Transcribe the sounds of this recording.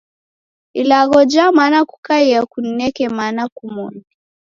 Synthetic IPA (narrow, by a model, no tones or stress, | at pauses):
ilaɣɔd͡ʒamanaku̥kaiakun̩nɛkɛmanakumɔni